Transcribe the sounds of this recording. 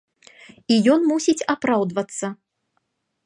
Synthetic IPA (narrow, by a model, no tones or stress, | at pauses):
ijɔnmusʲit͡sʲapɾawd̪vɐt̪sːɐ